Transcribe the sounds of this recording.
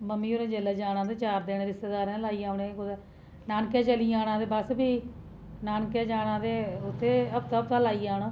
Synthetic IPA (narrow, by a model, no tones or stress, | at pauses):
məmːiːoːɾẽːd͡ʒeːlaːd͡ʒaːɽãːd̪eːt͡ʃaːɾd̪eːneːɾɪst̪eːd̪aːɾɛ̃ːlaːiːaːʊɳẽːkʊd̪ɛː | naːnkɛːt͡ʃəliːaːɽãːd̪eːbəsbiː | naːnkeːd͡ʒaːɽãːd̪eːʊt̪ʰːeːəb̚t̪aːbt̪ãːlaːiːaːnãː